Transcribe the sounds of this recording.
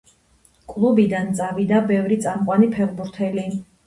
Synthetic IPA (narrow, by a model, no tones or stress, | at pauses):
kʼlˠubid̪ant̪sʼavid̪abɛvɾit̪sʼamqʼwanipʰɛʁbuɾt̪ʰɛli